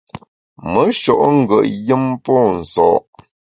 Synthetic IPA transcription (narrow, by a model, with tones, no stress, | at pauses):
mə˨˦ʃɔ˨ʔŋ̩˦˨ɡə̰˨ʔjə˦mpɔ˦˨n̩˨sɔ̰˨ʔ